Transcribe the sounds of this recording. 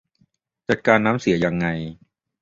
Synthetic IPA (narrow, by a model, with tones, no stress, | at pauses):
t͡ɕa˨˩t̪̚kaː˧nːaː˦˥msi˩˦ɐja˧ŋːa˧j